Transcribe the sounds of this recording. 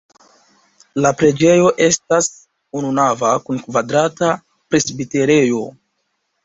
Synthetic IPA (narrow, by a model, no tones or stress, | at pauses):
lapɾe̞d͡ʒe̞jo̞ʔe̞stas | ununavakunkvadɾata | pɾe̞sbite̞ɾe̞jo̞